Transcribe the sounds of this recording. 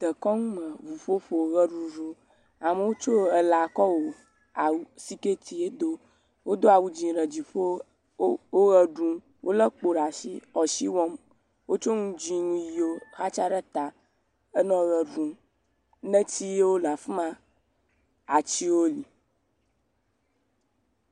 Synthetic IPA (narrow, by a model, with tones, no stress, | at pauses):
t̪ə˨kɔ˦ŋũ˦mə̃˨vu˨ɸo˦ɸo˨˦ɣə˦ɖũ˦ɖu˦ | a˨mə˨wo˦t͡ʃo˦ə˨la˨kɔ˦wo˨ | a˨wsi˦ke˦t̪i˨e˦d̪o˦ | wo˦d̪o˦a˨wu˦d͡ʑĩ˨ɾə˨d͡ʑi˨ɸo˦ | wo˦ɣə˦ɖũ˦ | wʔo˦lə˦k͡po˨ɖa˨sḭ˦ɔ˨si˦wɔ˦m | wo˦t͡ʃo˦ŋũ˦d͡ʒĩ˦ŋũ˦ji˨o˦xa˦t͡ʃa˦ɾə˦t̪a˨ | e˦nɔ̃˦ɣə˨ɖũ˨ | nɛ̃˦t̪i˦je˦wo˦la˨fmã˦ | a˨t͡ɕi˦wo˦li˨